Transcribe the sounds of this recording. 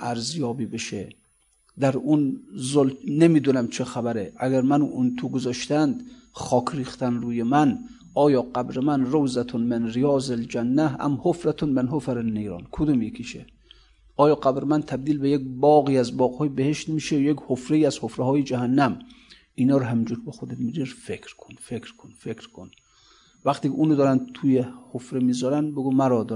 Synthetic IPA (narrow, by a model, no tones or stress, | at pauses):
ʔæɾzjɒːbiːbeʃḛ | d̪æɾunzolnemiːd̪unæmt͡ʃʰexæbæɾeʔæɡæɾmænunt̪ʰuɡozɒːʃt̪ænd̪ | χɒːkʰɾiːxt̪ænɾuːjemæn | ɒːjɒːqæbɾemænɾowzæt̪ʰonmenɾijɒːzeld͡ʒænːæhæ̰mhofɾæt̪ʰonmenɦofæɾenːejɾɒ̰ːnkʰod̪umjekʰiʃḛ | ʔɒːjɒːqæbɾemænt̪ʰæb̚d̪iːlbejek̚bɒːɣiːæzbɒːɣhɒːjebeheʃt̪miːʃejekhofɾeiːæzhofɾehɒːjed͡ʒæhænːæm | inɒːɾɔɦæmid͡ʒuɾbexod̪emiɾiɾfekʰɾkʰonfekʰkʰonfekɾkʰon | væχt̪iːkʰʲeuːnod̪ɒːɾænd̪t̪ʰujehofɾemiːzɒɾænbeɡumæɾɒːd̪